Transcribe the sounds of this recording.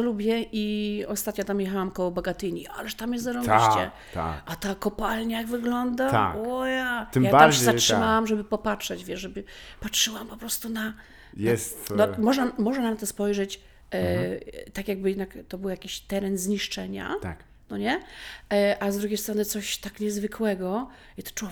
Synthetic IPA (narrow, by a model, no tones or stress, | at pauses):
ɛlubʲjɛʔiɔst̪at̪ɲɔt̪amjɛxawamkɔwɔbɔɡat̪ɘɲiʔa̰lɛʂt̪amjɛszɔɾɔɕt͡ɕɛ̰ | t̪a̰ʔat̪akɔpalɲajaɡvɘɡlɔnd̪aa̰ɔjat̪mjaaaɾɕɛzatʂɨmawamʐɛbɘpɔpatʂɛd͡ʑvʲjɛʂʐɛbɘpatʂɘwampɔpɾɔst̪una | jɛst̪nɔmɔʐnamɔʐnanamt̪ɔspɔjʐɛt͡ɕ | t̪akʲjaɡ̚bɘjɛd̪nakt̪ɔbɘwjakʲiɕt̪ɛɾɛnzɲiʂt͡ʂɛɲa̰t̪a̰k | nɔɲɛ | ʔazd̪ɾuɡʲejst̪ɾɔnɨt̪sɔɕt̪akɲɛzvɘkʰwɛɡɔ | it̪ɔ̥t͡ʂw